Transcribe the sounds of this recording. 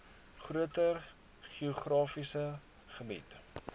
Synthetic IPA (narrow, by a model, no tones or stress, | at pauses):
χruətər | χioχrɑːfisə | χəmḭt